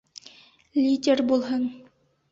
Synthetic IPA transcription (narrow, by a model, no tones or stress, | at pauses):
lʲidʲerbulˠɦɤɴ